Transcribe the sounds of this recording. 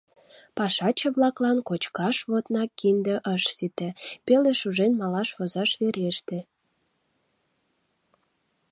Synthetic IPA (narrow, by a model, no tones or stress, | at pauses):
pɑʃɑt͡ɕə̆βlɑklɑnkot͡ɕkɑʃβot̪nɑkind̪ə̆ʔəʃsit̪ĕpeleʃuʒenmɑlɑʃβozɑʃβeɾeʃt̪e